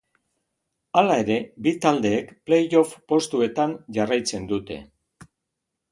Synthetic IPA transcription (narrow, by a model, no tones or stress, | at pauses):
alae̞ɾe̞bit̪ald̪e̞ːkple̞jo̞fpo̞st̪ue̞t̪anʝarajt͡se̞nd̪ut̪e̞̰